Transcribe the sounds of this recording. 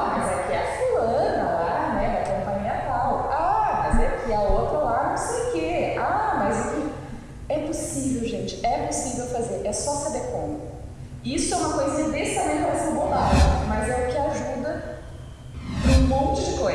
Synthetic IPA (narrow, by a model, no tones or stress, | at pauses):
mɐzɛʊkɪɛɐfulɐ̃nɐla | nɛɐkɐ̃mpɐ̃ɲĩɐt̪awafazeʊkɪaot̪ɾɐlaɾnɐ̃w̃sejʊkeamɐzʊkɪ | ɛposivewʒẽnt͡ʃɪ̥ɛposivewfazeɾɛsɔsabeɾkõmʊ | isʊɛũmɐkojzɐid̪essamẽnt̪asĩbod̪aɪmɐzɛʊkɪaʒud̪ɐ | ũmõnt͡ʃɪd͡ʒɪkoj